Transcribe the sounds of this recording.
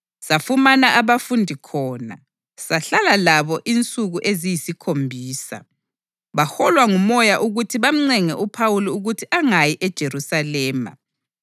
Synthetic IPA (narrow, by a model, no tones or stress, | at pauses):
safumanaʔaβafundʱikʰɔːna̰ | saɬalalaβɔʔint͡sʼuɣuʔezijisikʰombʱiːsa̰ | βaxɔlwaŋumɔjaʔuɣutʰiβam̩ŋ͡ǀɛŋɛʔupʰawuliuɣutʰiʔaŋajiʔɛd̥ʒ̥ʱeɾusalɛːma̰